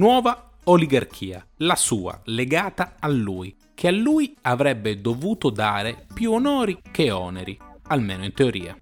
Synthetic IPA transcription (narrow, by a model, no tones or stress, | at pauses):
nwɔːva | oliɡark̟ʰiːa̰lasuːa̰leɡaːt̪aːlːuːj | kʰealːuːjavɾɛbːed̪ovuːt̪od̪aːɾepjuonɔːɾikeɔ̰ːneɾialmeːnoint̪eoɾiːa̰